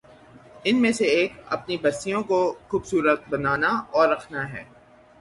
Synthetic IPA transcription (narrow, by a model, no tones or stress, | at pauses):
ɪnmẽseeːkɐ̰pnibɐsijõkoxuːbsuːɾət̪̚bɐnaːnaɔːɾːɐkʰnaɦɛː